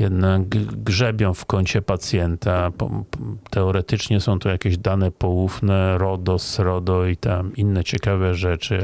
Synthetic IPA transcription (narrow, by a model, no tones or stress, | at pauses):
jɛd̪naɡɡʐɛbʲjɔ̃w̃fkɔɲt͡ɕɛpat̪sʲjɛnt̪apɔ̰t̪ɛɔɾɛt̪ɘt͡ʂɲɛsɔ̃w̃t̪ɔjakʲeʑd̪anɛpɔwufnɛɾɔd̪ɔsɾɔd̪ɔit̪aminːɛt͡ɕɛkavɛʐɛt͡ʂɘ